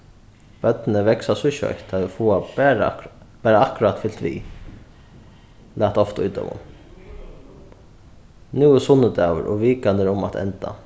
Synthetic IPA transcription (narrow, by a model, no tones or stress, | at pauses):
b̥œt̪nəʋɛksasʊʃœ̰jt̪ʰaɪfuːa | b̥æːɾaahkʊɾat̪fɪlt̪ʋḭː | laːht̪ɔft̪ujt̪œ̰mʊ̰m | nuːəsʊnːəd̪aːwə̰ɾʔɔ̰ʋiːkand̪əɾʊmat̪ʰɛ̰nt̪a̰